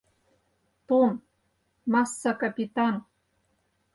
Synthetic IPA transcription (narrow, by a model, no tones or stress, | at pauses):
t̪om | mɑsːɑkɑpʲit̪ɑn